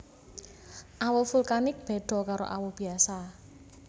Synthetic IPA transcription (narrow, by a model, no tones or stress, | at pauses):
ʔawɔfulkanɪk̚b̥e̤ɖ̥ɔ̤kaɾo̰ʔa̰wɔb̥i̤asa